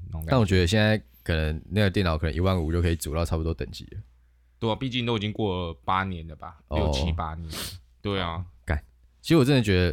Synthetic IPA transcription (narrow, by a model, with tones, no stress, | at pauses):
n˨˧na˥˨˩wɔ˨˩t͡ɕɥɛ˧˦d̪ə˧ɕ̬ɛ˥˧nt͡sa˥˩ɪ | kʰə˨˩nə˧˦ŋna˥˩ɡə˨˩jnɑ˨˦ʊkʰɤ˨˩nə˧˦ʔi˧˦wa˥˩nṵ˨˩t͡ɕjo˥˩kʰə˧˥i˨˩t͡sṵ˨˩ljʊɑ˥˩pu˨t̪wɔ˥t̪ə̰˨˩ŋt͡ɕḭ˨˦lə̰˦ | t̪wɔ˥˨˩pi˥˧t͡ɕi˥˧nt̪o˥ʊi˨˩t͡ɕĩ˦ŋkwɔ˥˩pa˦˥njɛ˨˦nlə˨ba̰˨˩ɔjo˥˩˥t͡ɕi˦pa̰˦njɛ˨˦n | t̪we˥˩ɪɔ̰˨˩ka̰˨˩˦n | t͡ɕʰi˧˥s̩˧˥wʈ͡ʂə˥nə˧˥˩t͡ɕɥɛ˧˥d̪ə˧